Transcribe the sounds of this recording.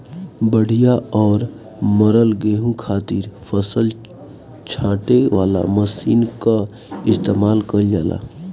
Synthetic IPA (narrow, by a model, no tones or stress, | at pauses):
bəɽ̤ʱijaɔːɾ | məɾəlɡeːɦũkʰaːt̪iɾpʰəsəl | t͡ʃʰãːʈeʋaːla̰məsiːnka | ɪst̪eːmaːlkəɾjaːla̰